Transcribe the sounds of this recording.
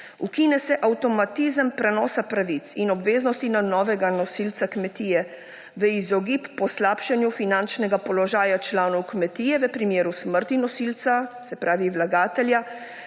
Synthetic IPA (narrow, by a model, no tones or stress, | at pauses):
ukiːnɛsɛʔawt̪ɔmat̪iːzəmpɾɛnɔːsapɾaʋit̪sinɔbʋeːznɔst̪inanɔːʋɛɡanɔsilt̪sakmɛt̪iːjɛ | ʋəizɔɡipːɔslaːpʃanjufinant͡ʃnɛɡapɔlɔʒaːjat͡ʃlaːnɔwkmɛt̪iːjɛʋəpɾimjeːɾusməɾt̪inɔsilt̪sasɛpɾaːʋiwlaɡaːt̪ɛlja